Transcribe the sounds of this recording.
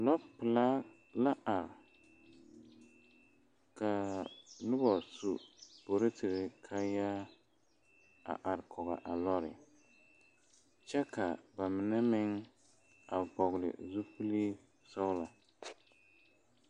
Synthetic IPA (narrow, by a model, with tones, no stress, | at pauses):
lɔ˦pɨ˨la˦ | la˦ʔa˨ɾɪ˨ | ka˨nʊ˦bɔ˨su˨b̥o˨ɾɪ˦tɪ˨ɾɪ˨kʰa˦ja˦ | a̰˨ʔa˨ɾkʰɔ˨ɣa̰˨ʔa˨lɔ˦ɾɪ̰˨ | t͡ʃɛ˦ka˨ba˨mɪ˨nɛ˦mɪ˦ŋ | a˨bɔ˨ɣlɪ̰˨zu˦pɨ˦liː˦ | sa˦wla˨